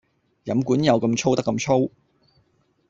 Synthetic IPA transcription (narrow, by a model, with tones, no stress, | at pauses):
jɐ˨˥mkuː˨˥njɐ˨˧wkɐ˧mt͡ʃʰo˥wt̪ɐ˥kːɐ˧mt͡ʃʰo˥w